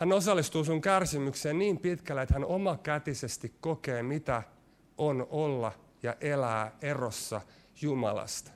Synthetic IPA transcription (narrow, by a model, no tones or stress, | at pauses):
hænosɑlːist̪uːsuŋkærsimykseːnniːmpit̪kælːet̪hænomɑkæt̪isest̪ikkokeːmit̪æ | ʔonolːɑ | jɑʔelæːerosːɑ̰ | jumɑ̰lɑ̰st̪